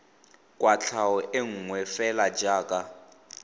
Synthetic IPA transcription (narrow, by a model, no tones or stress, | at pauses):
kʼwʔat͡ɬʰaɔʔeŋ̩ŋwɛfɛlad͡ʒaːkʼa